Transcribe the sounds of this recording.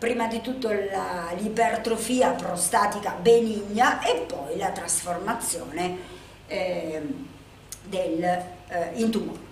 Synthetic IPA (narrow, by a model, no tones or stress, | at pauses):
pɾiːmad̪it̪ut̪ːolalipert̪ɾofiːapɾost̪aːt̪ikabeniɲːaʔepːɔjlat̪ɾasformat̪sːjɔːne | d̪el | int̪u